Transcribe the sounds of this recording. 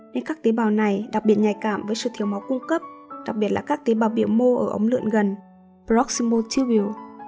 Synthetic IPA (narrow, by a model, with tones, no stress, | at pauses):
ne˧nkaː˦˥k̚t̪e˨˦ɓaː˨˩wna˨˩jɗa˨˩k̚ɓi˨˩ət̚ɲa˨˩jkaː˧˨mvəː˨˦jsɨ̰˧˨t̪ʰi˨˩əwma˨˦wkʊ˧ŋ͡mkə˦˥p̚ɗa˨˩k̚ɓi˨˩ət̚la̰ː˨˩kaː˦˥k̚t̪e˨˦ɓaː˨˩wɓi˧˩əwmo˧ʔəː˧˩ʔə̰˨˦wŋ͡mlɨ̰˧ənɣə˨˩n | bzɔ˦˥k̚si˧mo˧t͡ɕi˧wi˧˩˨w